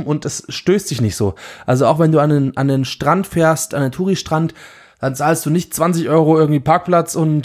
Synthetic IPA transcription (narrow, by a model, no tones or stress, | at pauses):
ʔʊntɛsʃtøːst̚d̥ɪçnɪçtz̥oːʔalzoaʊxvɛnduːanenʔandenʃtʁ̥antfeːɐstʔandentʰuːʁiʃtʁ̥ant | d̥ant͡saːlstd̥uːnɪçtt͡sv̥ant͡sɪçʔɔʏʁ̞oʔɪɐɡŋ̩tv̥iːpʰaɐk̚plat͡sʊnt